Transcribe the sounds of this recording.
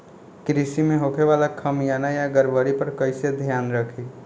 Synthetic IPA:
kɾisimẽɦokʰeʋalakʰəmjanajaɡəɾʋəɾipəɾkəɪsed̪ʱjaːnɾəkʰi

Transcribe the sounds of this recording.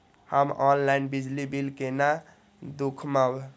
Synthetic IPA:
həmɔnlainbid͡ʒlibilkena | d̪ukʰmab

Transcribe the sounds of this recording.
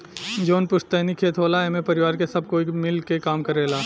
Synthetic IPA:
d͡ʒoːnpʊʃt̪eːnikʰeːt̪ʰɦoːlaɛmẽpɐɾɪʋaːɾkesɐb̚koɪmɪlkekaːmkɐɾeːlaː

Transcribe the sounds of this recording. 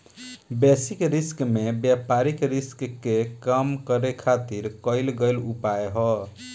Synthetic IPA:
besikɾiskmebjapaɾikɾiskkːekəmkəɾekʰat̪iɾkəɪlɡəjlupaeɦɔ

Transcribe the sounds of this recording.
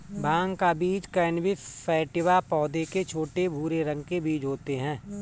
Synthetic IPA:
bʱãːŋɡkabiːd͡ʒkɛːnbʱifɛːʈɪʋapɔːd̪eket͡ʃʰoːʈebʱuːɾeɾə̃ŋɡkebiːd͡ʒɦoːt̪eɦɛ̃ː

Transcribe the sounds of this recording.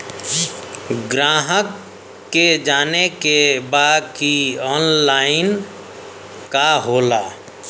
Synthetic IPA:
ɡɾaːɦəkː | ed͡ʒaːnekebaːd̪̚kiɔːnlaːɪn | kaɦoːlaː

